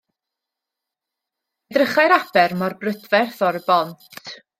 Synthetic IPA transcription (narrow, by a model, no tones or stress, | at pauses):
ɛdrəχajɾab̥ɛrmarbrədvɛrθɔɾəbɔntʰ